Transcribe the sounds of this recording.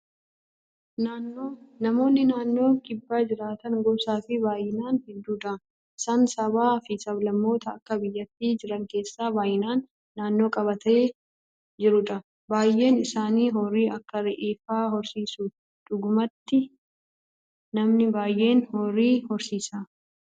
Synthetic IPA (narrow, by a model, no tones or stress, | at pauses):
naːnːoːnɐmo̞ːnːɪnaːnːo̞ːkʼɪbːaːd͡ʒɪɾaːt̪ɐŋɡɔbsaːfɪbaːjːɪnaːnhɛd̪ːuːᶑ̪ɐ | ɪsaːnsɐbaːfɪsɐblɐmːo̞ːt̪ɐːkːɐbɪjːɐt̪ːiːd͡ʒɪɾɐŋke̞ːsːaːbaːjɪnaːnː | aːnːo̞ːkʼɐβɐt̪ʰɐe | d͡ʒɪɾʊᶑɐ | baːjʔe̞ːnɪsaːniːɦɔrːiːɐkːɐɾɛʔeːfaːɦɔɾsiːsu | ᶑ̪ʊɡʊmɐt̪ːɪ | nɐmnɪbaːjʔe̞ːnhɔrːiːhɔɾsiːsaː